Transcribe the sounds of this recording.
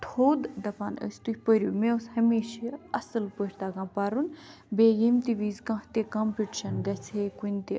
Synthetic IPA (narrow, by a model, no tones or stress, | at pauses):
t̪ʰoːd̪d̪ɐpaːnə̰st̪uhʲpəɾʲjumẽushɐmeːʃeɐsɨlpəɾʲt̪aːɡãːpaɾun | beːjimt̪iʋiːzkãht̪ekampʲiʈiʃɐnɡɐt͡sʰekunʲt̪i